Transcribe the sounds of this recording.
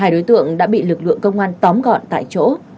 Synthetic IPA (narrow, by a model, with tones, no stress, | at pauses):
aː˧jɗo˨˦jt̪ɨ̰˧˨əŋɗa̰ː˧˥ɓḭ˧˨lɨ˨˩k̚lɨ̰˧˨əŋkə˧wŋ͡mʔaː˧nt̪ɔ˨˦mɣɔ̰˧˨nt̪a̰ː˧˨jt͡ɕo̰˧˥